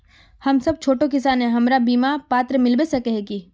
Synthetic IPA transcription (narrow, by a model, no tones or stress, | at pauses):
hɐmsɐb̚t͡ʃʰoːʈokɪsaːnɦɛ̃ɦɐmɾabiːmapaːt̪ɾəmɪlbesɐkɛɦɛki